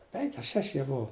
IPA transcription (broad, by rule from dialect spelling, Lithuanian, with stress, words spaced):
ˈpʲɛŋʲkʲɪ ɐ ˈʃʲæːʃʲɪ jiɛ ˈbʊʊ